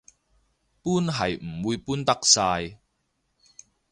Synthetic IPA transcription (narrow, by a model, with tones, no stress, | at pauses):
puː˥nɦɐ˨˩jm̩˨˩wuː˧jpuː˥nt̪ɐ˥k̚saː˧j